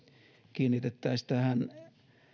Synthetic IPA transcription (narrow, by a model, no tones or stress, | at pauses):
kiːnːit̪et̪ːˑæːsi̥t̪æhæn